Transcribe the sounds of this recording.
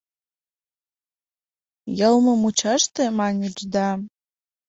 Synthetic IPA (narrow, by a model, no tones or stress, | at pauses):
jɤlˠmɤ̆mut͡ɕɑʃt̪ĕmɑnʲid͡ʑd̪ɑ